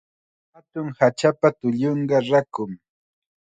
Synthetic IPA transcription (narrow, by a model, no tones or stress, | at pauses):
hat̪ʊŋhat͡ʃapat̪ʊʎoɴɢɑɾakʊŋ